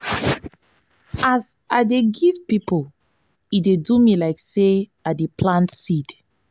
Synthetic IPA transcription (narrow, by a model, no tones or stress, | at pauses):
azaɪdeɡiv̥pipl | itdedumilaɪkseaɪdepʰlãntsid̥